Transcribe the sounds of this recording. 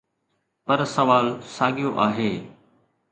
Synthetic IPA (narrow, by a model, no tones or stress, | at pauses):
pɐɾsɐʋaːlsaːɡijoʔaːɦeː